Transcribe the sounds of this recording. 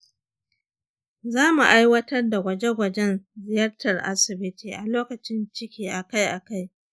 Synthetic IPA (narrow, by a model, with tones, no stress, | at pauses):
zaː˦mu˨ʔa˦jwɐ˦tɐ˦rda˨ɡʷɐ˨d͡ʒe˦ɡʷɐ˨d͡ʒɛ˦nzɪ˨jɐ˦rtɐ˨rʔa̰˦sɪ˨bɪ˦tiː˨ʔa˨loː˦kɐ˨t͡ʃɪ˦nt͡ʃɪ˦kʲiː˨ʔa˨ka˦jʔa˨ka˦j